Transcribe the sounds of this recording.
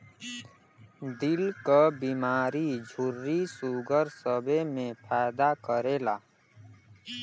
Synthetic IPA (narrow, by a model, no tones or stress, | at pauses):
d̪ɪlkabiːmaːɾid͡ʒʱʊɾːisuːɡəɾsəbemẽpʰaːd̪akəɾeːlaː